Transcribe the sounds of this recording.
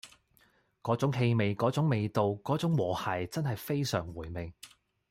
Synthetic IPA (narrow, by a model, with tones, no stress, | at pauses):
kɔː˨˥t͡sʊ˨˥ŋɦe˧jme˨jkɔː˨˥t͡sʊ˨˥ŋme˨˧jt̪o˨wkɔː˨˥t͡sʊ˨˥ŋwɔː˨˩hɐ˨˩jt͡sɐ˥nɦɐ˨jfe˥jsœː˨˩ŋwuː˨˩jme˨ŋ